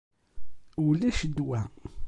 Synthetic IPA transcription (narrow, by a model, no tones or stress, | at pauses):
ulæʃəd̪wæ